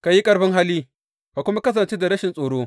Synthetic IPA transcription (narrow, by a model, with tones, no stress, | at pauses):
ka˨ji˦kʼɐ˨ɾɸɪ˦ŋɦa˦lːiː˦ | ka˨kʷʊ˦ma˦kɐ˦s̬ɐ˨nt͡ʃe˦da˨ɾɐ˦ʃɪ˨nsʼoː˨ɽoː˦